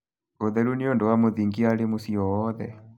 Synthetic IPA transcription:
oðɛɾuniondɔwamoðiŋɡialemosiɔɔðɛ̰

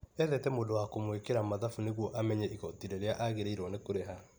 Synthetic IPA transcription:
ɛðɛtɛmodowakomwekeɾamaðafuneɣwɔʔamɛɲɛiɣɔtiɾeɾeaʔaɣeɾeiɾwɔnekoɾeɦa

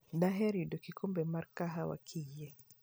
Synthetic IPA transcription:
daɦɛɾidɔkikʰɔmbɛmaɾkaɦawa̰kʰijɛ

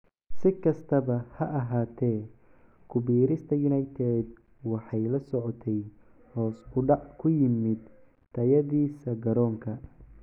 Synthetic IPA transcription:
sɪkʰɐst̪ʰɐβɐhɐʔɐɦaːt̪ʰɛː | kʰʊbiːɾɪst̪ʰɐjʊnajt̪ʰɛːd̪ | wɑħɑjlɐsɔʕɔt̪ʰɛj | hɔːsʊɖɑʕkʰʊjɪmɪd̪ | t̪ʰːɐjɐðiːsɐɡɐɾɔːŋkʰɐ

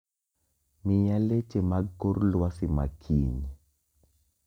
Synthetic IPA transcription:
mijalet͡ʃemaɡkoɾlwasima̰kʰḭɲ

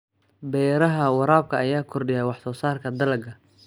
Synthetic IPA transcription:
bɛːɾɐɦɐwɑɾaːb̚kʰɐɐjaːkʰɔrɖɪjɛjwɑħsɔːsaːrkʰɐd̪ɐlɐɡɐ

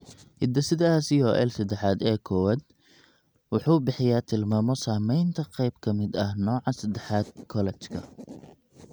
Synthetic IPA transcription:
hɪd̪ɐsɪd̪ɛasɪɔːʔɛ̰lsɐd̪ɛħaːd̪ɛːkʰɔwaːd̪̚ | wɑħuːbɪħɪjaːt̪ʰɪlmaːmɔsaːmɛjnt̪ʰɐqɛjbkʰɐmɪd̪ɐhnɔːʕɑsɐd̪ɛħaːd̪̚kʰɔlɛt͡ʃkʰɐ̰

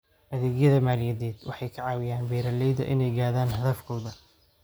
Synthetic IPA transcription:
ʔɐðɛːɡjɐðɐmaːljɐðɛːd̪wɑ̰ħɑjkʰɐʕɑːwɪjaːnbɛːɾɐlɛjðɐ̰ʔɪnɛjɡaːðaːnhɐðɐfkʰɔwðɐ

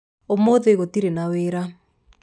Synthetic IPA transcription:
omoðeɣotiɾenaweːɾa

